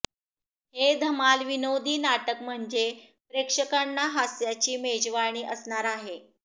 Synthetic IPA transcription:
hed̪ʱəmalʋinod̪ʱiːnaʈəkm̤əɳd͡ze | pɾekʂəkanːaɦasjat͡ɕiːmed͡ʑʋaɳ̃iːʔəsɳaɾaɦe

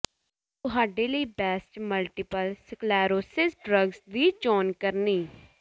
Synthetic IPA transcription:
t̪ʊɦaːɖeːləiːbɛːsʈməlʈɪpəlsklɛːɾoːsɪsɖɾəɡsd̪iːt͡ʃɔːnkəɾniː

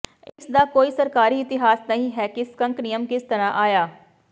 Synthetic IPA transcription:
ɪsd̪aːkoːiːsəɾkaːɾiːɪt̪ɪɦaːsnəɦĩːɦɛːkɪskə̃ŋknijəmkɪst̪əɾãːʔaːjaː

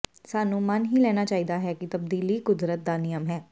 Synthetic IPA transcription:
saːnũːmənɦiːlɛːñaːt͡ʃaːiːd̪aːɦɛːkɪt̪əb̚d̪iːliːkʊd̪ɾət̪̚d̪aːnɪjəmɦɛː

